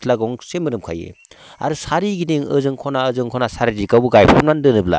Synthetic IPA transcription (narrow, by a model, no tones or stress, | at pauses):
laɡɔŋsemɯnɯmkʰa̰jḛ | a̰ɾɯsaɾiɡiniŋɯzɯŋkʰɔnaɯzɯŋkʰɔnasaɾidikawbuɡajpʰɔmnandɯnɯbla̰